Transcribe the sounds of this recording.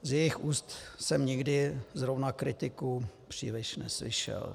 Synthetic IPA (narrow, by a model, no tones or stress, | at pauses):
zjɛjɪxʔuːst̪sɛmɲɪɡdɪzɾovnakɾɪt̪ɪkupr̥ḭːlɪʃnɛ̰slɪ̰ʃɛ̰l